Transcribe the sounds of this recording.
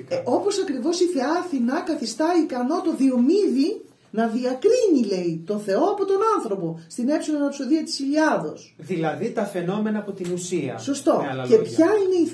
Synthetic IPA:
o̞po̞sɐkɾivo̞siθe̞ɐθinɐkɐθist̪ɐikɐno̞t̪o̞ðio̞miði | nɐðiɐkɾiɲile̞it̪o̞θe̞o̞ɐpo̞t̪o̞nɐnθɾo̞po̞st̪ine̞psilonɐpso̞ðiɐt̪i̥siʎɐðo̞sðilɐðit̪ɐfe̞no̞me̞nɐːpot̪inusiɐ̰so̞st̪o̞ce̞pçɐine̞i

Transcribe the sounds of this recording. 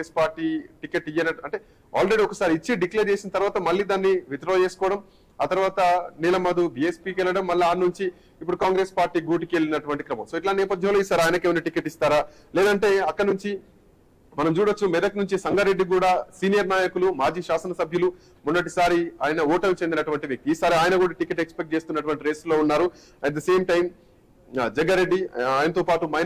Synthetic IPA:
espaːɾʈiːʈikeʈːijɐnɐɐɳʈe̞ː | a̰ːlɾe̞ɽiɔkɐsaːɾiːt͡ʃːiɖikleːɾd͡ʒeːsinɐt̪ɐɾʋaːt̪ɐmɐlːiːd̪aːnːiʋit̪ɾoːd͡ʒe̞ːsu̥kɔːʋɐɽɐm | aːt̪ɐɾʋaːt̪ɐnilɐmɐd̪ubiːespiːkɛlːɐɽɐmːɐlːɐaːnnuɲt͡ʃi | ipːuɽukaːŋɡɾe̞ːspaːɾʈiːɡuːʈikelːinɐʈuʋɐɳʈi̥kɾɐmɐ̰mso̞ːiʈlaːnɛːpɐd̪ʱjɐmloːisaːɾaːjɐnɐkeːʋɐniʈikeʈːist̪aːɾaː | lɛːd̪ɐɳʈe̞ːɐkːɐɽnuɲt͡ʃi | mɐnɐmt͡ʃuːɽɐt͡ʃːumɛd̪ɐknuɲt͡ʃisɐŋɡɐɾe̞ɖːik̬uːɽaːsiːnijɐɾnaːjɐkulumaːd͡ʒiːʃaːsɐnɐsɐbʱjɐlu | munːɐʈ̬isaːɾiaːjɐnɐɔːʈɐmt͡ʃe̞nd̪inɐʈuʋɐɳʈiʋjɐk̚t̪iiːsaːɾiaːjɐnɐkuːɽaːʈikeʈːekspekʈ̚t͡ʃe̞ːst̪unːɐʈuʋɐɳʈiɾe̞ːslo̞ːunːaːɾu | ɐʈ̚d̪ɐse̞ːmʈɐjm | d͡ʒɛɡɐɾeɖːiaːjɐnɐt̪o̞ːpaːʈumɐj

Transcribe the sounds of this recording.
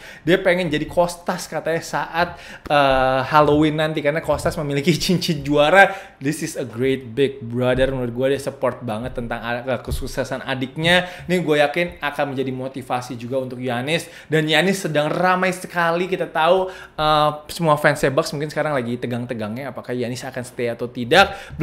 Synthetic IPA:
diapeŋɛnd͡ʒadikost̪askat̪ajasaʔat̪̚əːhalowɪnːant̪ikarnakost̪asməmilikit͡ʃiɲt͡ʃit̪̚d͡ʒuaɾa | ðɪsɪsəɡɾet̪̚bɪɡ̚bɾadərnuɾɪt̪̚ɡuadasəpɔrt̪̚baŋət̪ːənt̪aŋaəkəsusasana̰dɪk̚ɲanihɡuajakɪnakanmə̃ɲd͡ʒadimot̪ifasid͡ʒuɡaunt̪ʊk̚juɦanɪs | danjanɪsːədaŋramajsəkalikit̪at̪au | əsəmuafɛnsebaksmuŋkɪnsə̥kaɾaŋlaɡit̪əɡaŋt̪əɡaŋɲaːpakahjanɪsakansə̥t̪eaːt̪awt̪idak̚

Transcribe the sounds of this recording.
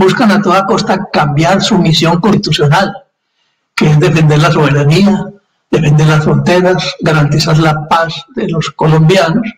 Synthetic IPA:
buskanat̪o̞ðako̞st̪akambjaɾsumisjo̞ŋkonst̪i̥t̪usjo̞nal | keezðe̞fe̞nd̪e̞ɾlaso̞β̞e̞ɾania | ðe̞fe̞nd̪e̞ɾlasfɾo̞nt̪eɣasɡaɾant̪isaɾlapazðelo̞sko̞lo̞mbjanos

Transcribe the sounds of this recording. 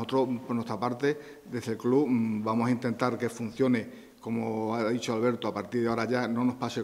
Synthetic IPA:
ot̪ɾopoɾnwest̪ɾapaɾt̪e̞ | d̪e̞zðe̞lklubamosaint̪e̞nt̪aɾke̞fun̟θjo̞ne̞ | ko̞moaðit͡ʃoalβe̞ɾt̪oapaɾt̪iɾðeaoɾaʝano̞no̞hpase

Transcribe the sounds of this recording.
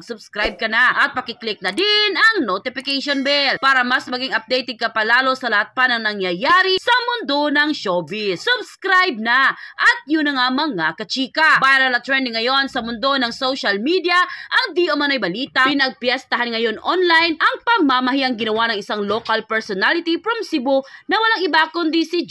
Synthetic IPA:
ɡsʊbskɾajb̚kɐnaʔɐt̪̚pɐkɪklɪk̚nɐd̪ɪnɐŋnot̪ɪpɪkejʃonbɛlpaːɾɐmɐsmɐɡiŋɐp̚d̪ejt̪ɪɡ̚kɐpɐlaːlo̞sɐlɐhat̪̚pɐnɐŋnɐŋjɐjaːɾisɐmʊnd̪o̞nɐŋʃobɪsʊbskɾajb̚nɐʔɐt̪̚jʊnɐŋamɐŋakɐt͡ʃiːkɐbajɐɾɐlɐt̪ɹɛnd̪ɪŋːɐjo̞nsɐmʊnd̪onɐŋsowʃɐlmid̪ijɐʔɐŋd̪iʔomɐnojbɐliːt̪ɐpɪnɐɡ̚pjɛst̪ɐɦanŋɐjonʔonlajnʔɐŋpɐŋmamɐɦiʔɐŋɡɪnɐwanɐŋʔɪsaŋlokɐlpɛɹsɔnalɪt̪ipɾomsibonɐwɐlaŋɪbakʊnd̪isid͡ʒ

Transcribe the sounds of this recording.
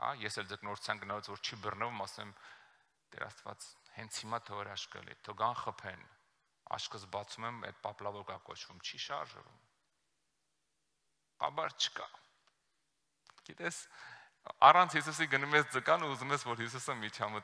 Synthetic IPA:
ɑ̰jɛsɛld͡zəknɔɾut͡sʰjɑnɡənɑlɛt͡svɔɾt͡ʃʰibərnəvumɑsɛm | t̪ɛ̰ɾɑ̰st̪vɑ̰t͡shɛnt͡sʰhimɑt̪ʰɔvɛɾɑʃkə̰lḭt̪ʰɔɡɑnχəpʰɛn | ɑ̰ʃkʰəzbɑt͡sʰumɛmɛ̰d̪̚pɑplɑvɔɾkɑkɔ̰t͡ʃʰvumt͡ʃʰiʃɑ̰ɾʒ̰vṵm | kɑ̰bɑɾt͡ʃʰə̥kɑ | ɡ̥it̪ɛs | ɑrɑnt͡sʰhis̬us̬iɡənumɛsd͡zəkɑnuuzumɛsvɔɾhis̬usəmit̪ʰjɑmət̪

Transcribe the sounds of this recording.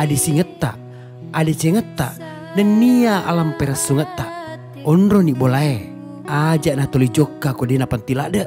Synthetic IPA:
adisiŋət̪ːa̰ʔː | det͡ʃeŋət̪ːa̰ʔ | dənːiaʔalampeɾəsːuŋət̪ːa | ɔnɾoniʔbolae | ad͡ʒaʔnat̪olid͡ʒokːakodenapant̪ilaʔdəʔ

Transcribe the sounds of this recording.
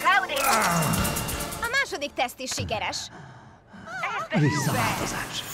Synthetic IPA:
ɡawd̪ia | ɒmaːʃo̞d̪ik̚t̪ɛst̪iʃːikɛɾɛʃ | ɛvisːɒva̰ːlt̪oza̰ːʃ

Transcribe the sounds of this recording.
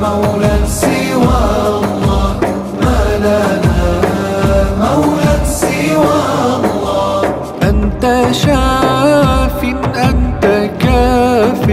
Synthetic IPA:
mawlasɪ | waːʔʊlːɑː | manana | mawlansɪwaːʔlːɑː | ʔant̪aʃaː | fɪnʔant̪akaːfɪ

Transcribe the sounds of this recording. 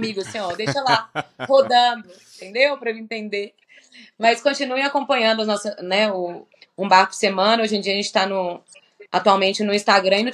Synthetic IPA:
miɡʊsẽɲoɾd̪ejʃɐlahod̪ɐ̃d̪ʊĩt̪ẽnd̪ewpɾɐwĩnt̪ẽnd̪e | mɐskõnt͡ʃinuẽj̃akõpɐ̃ɲɐ̃nd̪ʊɐznɔsɐnɛʊ | ũbaɾkʊ̥semɐ̃nɐoʒẽd͡ʒiɐʒẽnt͡ʃɪ̥t̪anʊ | at̪uawmẽnt͡ʃɪnʊĩst̪aɡɾɐ̃ĩnʊ̃

